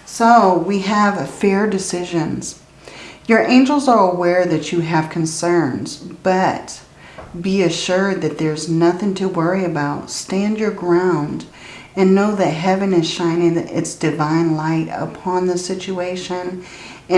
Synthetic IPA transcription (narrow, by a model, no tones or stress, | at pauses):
soʊwiəv̥fɛɹdɨsɪʒɨ̃nz̥ | jə˞ʔẽɪ̃nd͡ʒl̩ˠzə˞əwɛɹðɨt͡ʃɨɨv̥kʰn̩sɜ̃˞nz̥b̥ʌt̚ | b̥iɨʃʊɹd̪̚ðɨt̪̚ðə˞znʌθɪ̃ŋtʰɨwɜ˞iɨbaʊtstæ̃ndjə˞ɡɹãʊ̃nd | ɨ̃nːoʊðɨt̚ɦɛvɨ̃nɨz̥ʃãɪ̃nɪ̃ŋɪ̰tsd̥ɨvãɪ̃nlaɪɾə̰pʰɑ̃nðɨsɪt͡ʃueɪʃɨ̃n | ɨ̃